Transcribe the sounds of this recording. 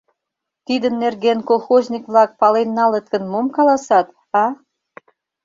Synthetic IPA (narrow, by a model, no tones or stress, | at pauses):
t̪id̪ənːerɣenkolˠxozʲnʲikβlɑk̚pɑlenːɑlət̪̚kə̆nmomkɑlɑsɑt̪ | ɑ